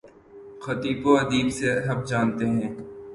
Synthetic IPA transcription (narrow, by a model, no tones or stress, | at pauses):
xɐt̪iːfoɐd̪iːbseɦɐbd͡ʒaːnt̪eɦɛ̃ː